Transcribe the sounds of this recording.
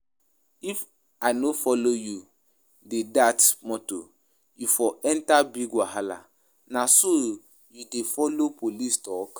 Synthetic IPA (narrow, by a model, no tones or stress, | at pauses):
if | aɪnofɔloju | dedatmɔto̰ | jufɔɛntabiɡwaɦala̰ | naso | judefɔlopolistɔk